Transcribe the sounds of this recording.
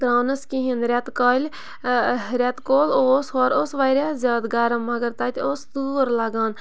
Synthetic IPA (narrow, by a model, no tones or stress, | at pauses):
t̪ɾaːnɐskiɦinɾʲɐt̪kɐlʲ | ɾʲɐt̪koːloːsɦoːɾoːsʋaːɾʲaːzʲaːd̪ɡɐːɾɐmɐɡɐɾt̪aːt̪ʲoːsd̪uːɾlɐɡaːn